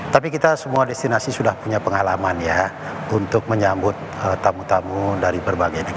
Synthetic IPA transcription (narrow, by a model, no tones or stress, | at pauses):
t̪apikit̪asəmuadɛst̪inasisudahpuɲapəŋalamanja | unt̪ʊk̚məɲambʊt̪̚ | ət̪ːamut̪amudaɾibərbaɡajnik